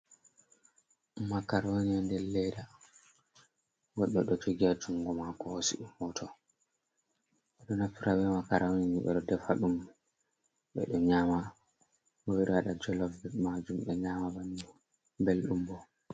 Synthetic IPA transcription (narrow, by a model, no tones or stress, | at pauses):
makaɾoniandɛlːɛda | ɡɔɗːɔɗɔd͡ʒoɡiad͡ʒuŋɡɔmakɔhosḭɗumːɔtʰɔ | ɓɛɗɔnafiɾabɛmakaɾʔawniniɓɛ̰ɗɔdɛfaɗum | ɓɛ̰ɗɔɲaːma | bɔwiɾɛwaɗad͡ʒɔlɔfbmad͡ʒumɓɛɲaːmabanu | belɗumbɔ